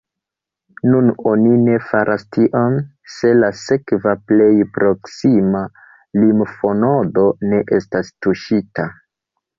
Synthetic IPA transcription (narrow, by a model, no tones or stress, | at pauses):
nunonine̞faɾʔastiʔon | se̞lase̞kvaple̞jpɾo̞ksima | limfo̞no̞do̞ne̞ʔe̞stastuʃita